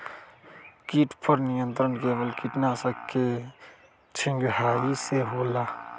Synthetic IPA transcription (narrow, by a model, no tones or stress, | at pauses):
kiʈpʰəɾnijənt̪ɾənkeːbəlkiʈnasəkːe | t͡ʃʰɪŋɡɦaːiseɦoːla